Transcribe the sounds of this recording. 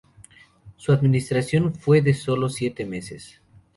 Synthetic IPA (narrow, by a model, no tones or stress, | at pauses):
suaðminist̪ɾasjo̞nfwe̞ðeso̞losjet̪emesḛs